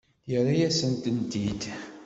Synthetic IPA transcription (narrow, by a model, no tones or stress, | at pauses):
jəɾajæsənt̪ənt̪id̪